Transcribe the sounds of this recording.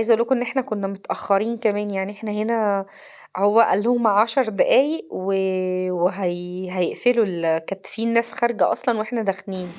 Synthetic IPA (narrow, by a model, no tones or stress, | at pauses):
ʕajzæʔulːækʔenːʔeħnækonːæmot̪ʔæxːɑɾiːnkæmæːnjaʕniʔeħnæhenæ | howːæʔælːhomːaʕɑʃɑɾˤd̪æʔæːjeʔweweɦæjɦæjeʔfelulkæt̪fiːnːæːsxæɾˤɡæʔɑ̰sˤlɑnweʔeħnæd̪æxliːn